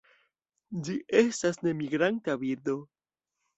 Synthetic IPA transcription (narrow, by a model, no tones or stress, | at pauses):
d͡ʒiʔe̞stasne̞miɡɾantabiɾd̪o̞